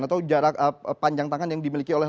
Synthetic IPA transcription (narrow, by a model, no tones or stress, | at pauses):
nat̪awd͡ʒaɾakəpaɲd͡ʒaŋt̪aŋanjaŋdimilikiolɛ